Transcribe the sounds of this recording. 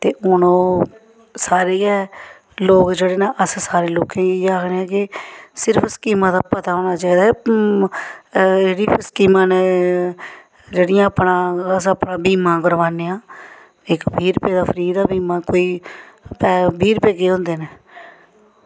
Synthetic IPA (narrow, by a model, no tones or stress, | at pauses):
t̪eːʊnõː | saːɾeːɛː | loːkd͡ʒeːɽeːnãːʔəssaːɾeːloːkẽːaːkʰneɛ̃ːkɪsɪɾəpʰskiːmãːd̪aːpət̪aːɦoːnaːt͡ʃaːiːd̪aː | eːɽiːpskiːmãːneː | d͡ʒeːɽɪjãːəpnãːəsəpnãːbiːmãːɡəɾʋaːneːãː | ɪkbʱiːɾpeːd̪aːpʰəɾiːd̪aːbiːmãːkoːiː | pɛːbʱiːɾpeːkeːɦʊ̃nd̪eːneː